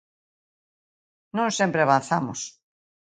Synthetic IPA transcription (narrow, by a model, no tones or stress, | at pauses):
nõŋsempɾeaβan̟θamʊ̰s